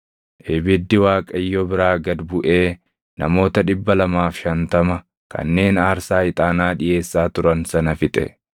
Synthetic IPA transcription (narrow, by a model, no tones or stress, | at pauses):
ʔɛbɪd̪ːɪwaːkʼɐɪjːɔbɪɾaːɡɐd̪bʊʔe̞ː | nɐ̰mo̞ːt̪ɐᶑɪbːɐlɐmaːfʃɐnt̪ɐmɐ | kɐ̰nːe̞ːnaːɾsaːɪt̪ʼaːnaːᶑɪje̞ːsːaːt̪ʊɾɐnsɐnɐfɪt̪ʼɛ̰